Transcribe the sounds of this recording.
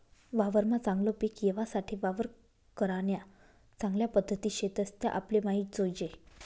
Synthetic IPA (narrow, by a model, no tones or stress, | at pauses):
ʋaʋəɾmat͡sãŋɡlopekjeʋasaʈʰiʋaʋəɾ | kəɾaɳja | t͡sãŋɡljapəd̪ʱːət̪iːɕet̪əst̪ja̰ʔaplemaɦit̪̚d͡zojd͡ʑe